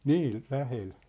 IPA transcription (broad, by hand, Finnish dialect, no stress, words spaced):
niː læhel